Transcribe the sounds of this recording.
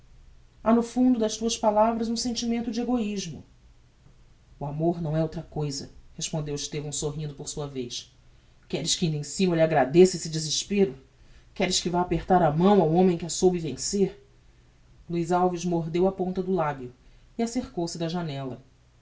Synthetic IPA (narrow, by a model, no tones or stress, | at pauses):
anʊfũnd̪ʊd̪ɐʃt̪uɐspalavɾɐzũsẽnt͡ʃimẽnt̪ʊd͡ʒɪeɡoiʒmʊ̰ | ʊamoɾnɐ̃w̃ɛowt̪ɾɐkojzɐ̰heʃpõnd̪ewɪʃt̪evɐ̃w̃soɦĩnd̪ʊpoɾsuɐvejʃ | kɛɾɪʃkɪĩnd̪ẽsĩmɐelʲaɡɾad̪esesɪd͡ʒizɪʃpeɾʊ | kɛɾɪʃkɪvaapeɾt̪aɾɐmɐ̃w̃awõmẽj̃kɪasowbɪvẽseɾ | luizawviʃmoɦd̪ewɐpõnt̪ɐd̪ʊlabjʊ | ɪaseɾkowsɪd̪ɐʒanɛlɐ